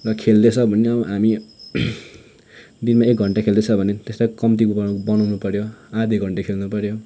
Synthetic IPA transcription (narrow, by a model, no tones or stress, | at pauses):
rʌkʰeld̪et͡sʰʌbʱʌneʌbʌɦami | d̪inmaek̚ɡʱʌɳʈakʰeld̪et͡sʰʌbʱʌnet̪estakʌmt̪̬ikubbʌnʌwnupʌɾjoad̪ʱiɡʱʌɳʈekʰelnupʌɾjo